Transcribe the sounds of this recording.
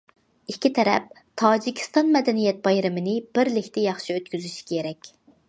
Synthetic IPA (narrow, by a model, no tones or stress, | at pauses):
ikʲʰːit̪ʰɛɾɛ̰p̚ | t̪ʰɑːd͡ʒikʲʰi̥st̪ɑnmɛd̪ɛnijɛt̪̚bɑjɾɨmɪnɪbɪɾlɪkʲʰt̪ɛjɑχʃiøt̪kʲyzyʃi̥kʲʰeɾɛkʲ